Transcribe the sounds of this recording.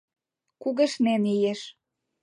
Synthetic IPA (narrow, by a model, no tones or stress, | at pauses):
kuɣə̆ʃnenijeʃ